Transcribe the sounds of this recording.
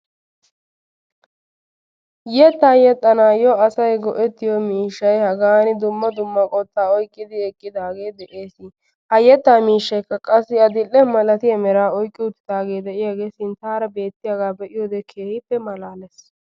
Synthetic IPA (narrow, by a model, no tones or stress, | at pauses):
jɛt̪ːaːjɛt̪ʼːɐnaːjɔɐsɐjɡɔʔɛt̪ːɪjɔmiːʃːɐjhɐɡaːnɪd̪ʊmːɐd̪ʊmːɐkʼɔt̪ːaːɔjkʼːɪd̪ɪɛkʼːɪd̪aːɡe̞ːd̪ɛʔeːsɪ | hɐjɛt̪ːaːmiːʃːɐjkːɐkʼɐsːɪɐd̪ɪlːɛmɐlɐt̪ɪjɐmɛɾaːɔjkʼːɪʊt̪ːɪ̥d̪aːɡe̞ːd̪ɛʔɪjaːɡe̞ːsɪnt̪aːɾɐbe̞ːt̪ːɪjaɡaːbɛʔɪjoːd̪ɛkʰeːhɪpːɛmɐlaːlɛs